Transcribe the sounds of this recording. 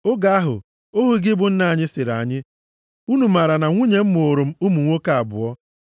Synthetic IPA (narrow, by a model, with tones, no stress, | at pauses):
ʊ˦ɡa˨˦a˦ɦʊ̰˨ | o˦ɦu˦ɡɪ˦bʊ˨n̩˦na˨a˨ɲɪ˦sɪ˨ɾa̰˨ɲɪ˦ | u˦nu˨ma˨ɾa˨na˨ŋʷu˦ɲe˨m̩˦mo˨ɾʊ˨m̩˦u˦mu˨ŋʷo˦ka˨a˨bʊ̰˨ɔ˦